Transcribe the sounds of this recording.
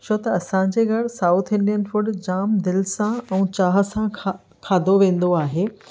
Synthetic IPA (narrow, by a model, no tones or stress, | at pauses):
t͡ɕʰoːt̪ɐɐsãɲ̆d͡ʑeːɡʱɐɽɪsaːʊt̪ʰɪ̃nɖijənfʊɖd͡ʑaːmd̪ɪlsãɛ̃ːt͡ɕaːɦə̆sã | kʰaːd̪ʱoʋẽːn̆d̪oaːɦeː